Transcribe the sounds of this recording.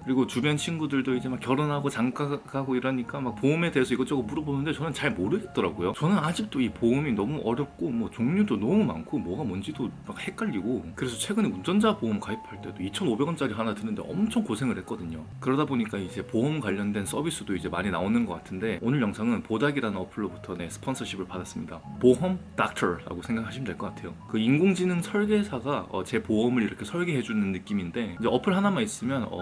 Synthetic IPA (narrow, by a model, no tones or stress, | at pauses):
kɯɾiɡot͡ɕubjʌnt͡ɕʰinɡudɯɭdoid͡ʑe̞makːjʌɾonɦaɡot͡ɕaŋk͈akʰaɡoiɾaɲik͈amak̚poɯme̞de̞ɦesʰʌiɡʌt͡ɕ͈ʌɡɯop͈uɾʌbonɯnde̞t͡ɕʌnɯnt͡ɕaɭmoɾɯɡet̚t͈ʌɾaɡojot͡ɕʌnɯnad͡ʑik̚t͈oipoɯminʌmuʔʌɾjʌp̚k͈omwʌt͡ɕoŋɲudonʌmuma̰nkʰomwʌɡamʌnd͡ʑidomak̚he̞k͈aʎːiɡokɯɾe̞sʰʌt͡ɕʰweɡɯneund͡ʑʌnd͡ʑapoumkaipʰaɭt͈e̞doit͡ɕʰʌnobe̞ɡʌnt͡ɕ͈aɾiɦanatɯnɯnde̞̰ʌmt͡ɕʰʌŋkosʰe̞ŋɯɭhe̞t̚k͈ʌdɯɲo | kɯɾʌdaboɲik͈aid͡ʑe̞poɦʌmkwaʎːʌndwe̞ns͈ʰʌbis͈ɯdoid͡ʑe̞maɲinaonɯnɡʌk͈atʰɯnde̞onɯɭjʌŋsʰaŋɯnpodaɡiɾanɯnʌpʰɯɭːobutʰʌne̞sʰɯ̥pʰʌnsʰʌɕʰibʰɯɭpadas͈ɯmɲidapoɦʌmdak̚tʰʌɾɾa̰ɡosʰe̞ŋɡakɯɦaɕʰimideɭk͈ʌk͈atʰe̞jokɯinɡoŋd͡ʑinɯnsʰʌɭɡe̞sʰaɡaʌ̰t͡ɕe̞poʌmɯɾiɾʌkʰe̞sʰʌɭɡeɦe̞d͡ʑuinːɯnːɯk͈iminde̞ind͡ʑe̞ʌpʰɯɭɦanamais͈ɯmjʌnʌ̰